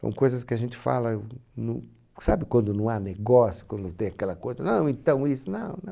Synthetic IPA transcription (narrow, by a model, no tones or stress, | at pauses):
sɐ̰̃w̃kojzɐskɪɐʒẽnt̪ɪ̥fa̰lɐnũ | sabɪkwɐ̃nd̪ʊnɐ̃w̃aneɡɔsjʊ̥kwɐ̃nd̪ʊt̪ẽj̃akɛlɐkojzɐnɐ̃w̃ẽnt̪ɐ̃w̃isʊnɐ̃w̃nɐ̃